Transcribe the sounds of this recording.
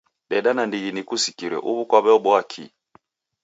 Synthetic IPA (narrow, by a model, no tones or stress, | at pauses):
ɗɛɗanandiɣinikusi̥kiɾɛ̰ʔuβukwaβɛɔɓɔakʰḭ